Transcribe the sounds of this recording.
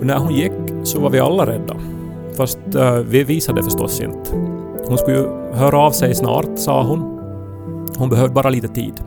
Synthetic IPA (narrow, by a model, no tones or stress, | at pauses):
ɔnæɾɦʊnjɪkːsɔvaɾvɪa̰lːaɾɛ̰d̪ːa̰ | fast̪vɪviːsad̪ɛfœʂtɔ̰sːɪ̰nt̪ | hʊnskɵjɵ | ɦœːɾaːvsɛjsnɑ̰ːɾt̪sɑ̰ːɦʊn | hʊnbɛɦœːvd̪əbɑːɾaliːt̪ət̪ʰḭːd̪